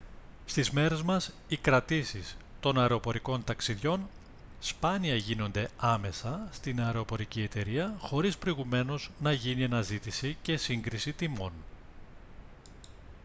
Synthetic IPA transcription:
st̪izme̞ɾe̞zmɐs | ikɾɐt̪isist̪o̞nɐeɾo̞po̞ɾiko̞nt̪ɐksiðʝo̞n | spɐniɐʝino̞nd̪e̞ɐme̞sɐst̪inɐeɾo̞po̞ɾicie̞t̪e̞ɾiɐxo̞ɾispɾo̞iɣume̞no̞znɐʝinie̞nɐzit̪isice̞siŋɡɾisit̪imo̞̰n

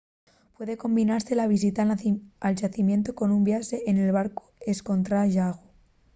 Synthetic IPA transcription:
pwe̞ðe̞ko̞mbinaɾse̞laβ̞is̬it̪aalʝaθimjẽ̞nt̪oko̞numbjaxe̞ʔene̞lβ̞aɾko̥e̞sko̞nt̪ɾaʝaɣo

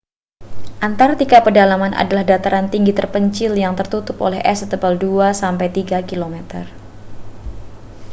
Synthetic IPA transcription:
ʔant̪aɾat̪ikapədalamanʔa̰dalahdat̪aɾant̪iŋɡit̪ərpəɲt͡ʃɪljaŋt̪ərt̪ut̪ʊpo̰lɛhʔɛst̪əbəlduasampajt̪iɡakilomɛt̪ər

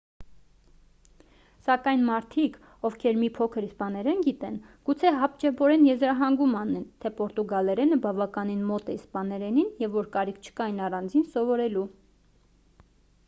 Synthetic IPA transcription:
sɑkɑjnmɑɾt̪ʰik | ɔfkʰɛɾmipʰɔkʰəɾispɑnɛɾɛnɡit̪ɛnɡ̥ut͡sʰɛɦɑpt͡ʃɛpɔɾɛnjɛzɾɑɦɑŋɡumɑnɛnt̪ʰɛpɔɾt̪uɡɑlɛɾɛnəbɑvɑkɑninmɔt̪ɛispɑnɛɾɛninjɛvːɔɾkɑɾikʰt͡ʃʰə̥kɑinɑrɑnd͡zinsɔvɔɾɛlu

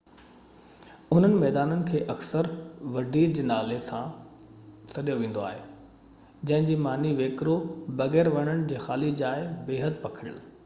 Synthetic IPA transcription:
ʊn̤ənɪ̆mɛːd̪aːnənɪ̆kʰeːʔɐksəɾʋɐɖʱiːd͡ʑnaːlesã | sɐɗjoʋẽːn̆d̪oa̰ːɦeː | d͡ʑɐ̃ɦɪ̃ɲd͡ʑeːmaːniʋeːkɾobɐɣɛːɾʋɐɽ̃əɽ̃d͡ʑeːxaːlid͡ʑaːɪbeːɦəd̪̚pɐkʰəɽə̰l

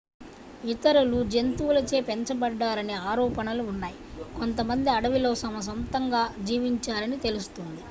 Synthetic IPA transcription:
it̪ɐɾulud͡ʒe̞nt̪uʋulɐt͡ʃe̞ːpeɲt͡ʃɐbɐɖːaːɾɐniaːɾɔːpɐnɐluːnːaːjikont̪ɐmɐnd̪iɐɽɐʋilo̞ːsɐmɐs̬ɐmt̪ɐŋɡaːd͡ʒiːʋiɲt͡ʃaːɾɐnit̪e̞lust̪und̪i

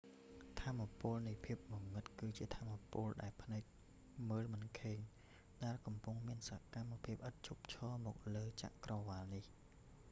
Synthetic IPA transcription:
t̪ʰaːmːapʊəlnɨjpʰiəp̚muŋɨt̪̚kɨːt͡ɕiət̪ʰaːmːapʊ̆əlɗaɛlpʰnaːk̚ | məːlmɨnkʰeːŋ | ɗaɛlkɑmpʊŋmiənsakamːapʰiəp̚ʔət̪̚t͡ɕʰup̚t͡ɕʰɑːmɔːk̚ləːt͡ɕa̰ʔkrɑːʋaːlnih

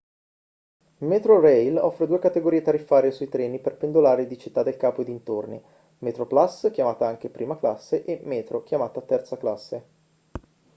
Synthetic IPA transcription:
mɛt̪ɾorɛjlɔfːɾed̪uːekat̪eɡoɾiːet̪aɾifːaːɾjesuit̪ɾɛːniperpend̪olaːɾed̪it͡ʃi̥t̪ːad̪ːelkaːpoed̪ːint̪orni | met̪ɾoplasːkjamaːt̪aaŋk̟epɾiːmaklasːeʔemːɛːt̪ɾok̟jamaːt̪at̪ɛrt̪saklasːe

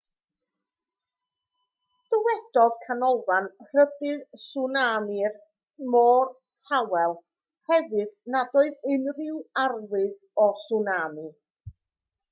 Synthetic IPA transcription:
d̥əwɛd̥ɔðkʰanɔlˠvanr̥əbɨðsunaːmɪr | mɔːr | tʰawɛlˠ | rɛvɨdnadoɨðɨnrɪwarwɨð | ɔsunaːmi

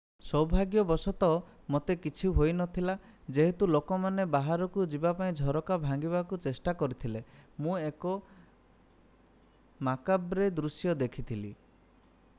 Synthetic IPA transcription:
sɔbʱaɡjɔbɔsɔt̪ɔ | mot̪ekit͡ʃʰiɦojnɔt̪ʰila | d͡ʒeɦet̪ulokɔmanebaɦaɾɔkud͡ʒibapaĩd͡ʒʱɔɾɔkabʱaŋɡiβakut͡ʃesʈakɔɾit̪ʰilemũekɔ | makabɾed̪ɾusjɔd̪ekʰit̪ʰili

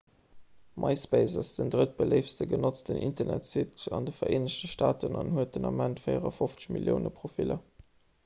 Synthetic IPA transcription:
mʔɑɪsbeɪzɑsd̥əndʁət̚b̥əleɪfstəɡənot͡sdənʔḭntɐnæ̰tsitɑndəfɐʁʔeːnəɕtəʃtaːtʰənɑnhuət̚dənɑmæntfəɪəʁɐfoft͡sə̥ɕmiljə̰ʊnəpʁofilɐ

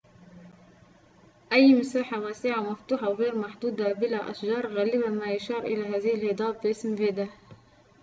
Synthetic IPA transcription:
ʔajːmɪsaːħawaːsɪʕamaft̪uːħawɣeːɾmaħd̪uːd̪abɪlaʔa̰ʃd͡ʒɑːɾˤɣaːlɪbamaːjʊʃɑːɾʔɪlaɦaːðɪhɪlhɪd̪ˤɑːbbɪʔɪsmvɪd̪a

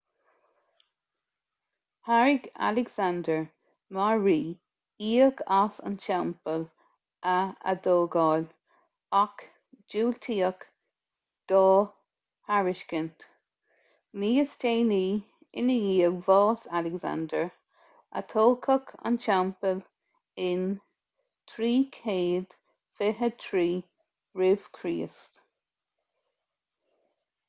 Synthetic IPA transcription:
haɹɪɡa̰lɪɡzand̪əɹ | maɹɹiː | iːəkʰasə̰nt͡ʃɛwmpəl | əə̰d̪oːɡɑːl | ak | d͡ʒuːlt̪ʰiːək | d̪̥ɔː | haɹɪʃkənt | niːəstʰeːniː | ɪ̰nəjiːəɡvɑːsalɪɡza̰nd̪əɹ | ə̰t̪ʰoːkʰəkʰə̰nt͡ʃampəl | ɪn | t̪ʰɾiːkʰeːd̪̥ | fɪɦət̪ʰɾiː | ɹɪv̥kʰɾiːəst̪

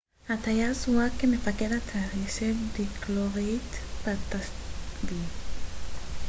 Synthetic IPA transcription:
at̪ajazwakenefaked̪at̪ʰaɾised̪ikloɾit̪pat̪asbi

